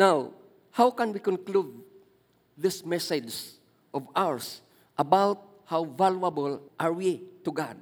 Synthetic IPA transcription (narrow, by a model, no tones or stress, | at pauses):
naw | hawkãnwikɔ̃nklud̪̚ | ðɪsmɛsɛd͡ʒs | ʔɔvawəɹs | ʔabawt̪̚ | hawvalabəlʔaɹwit̪uɡad̪̚